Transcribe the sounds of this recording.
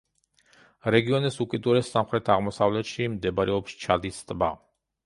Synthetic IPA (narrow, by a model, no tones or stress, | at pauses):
ɾɛɡiɔnɛsukʼid̪ʼuɾɛsːamχɾɛt̪ʰaʁmɔsavlɛt̪ʃimd̪ɛbaɾɛɔpʃt͡ʃʰad̪ist̪ʼba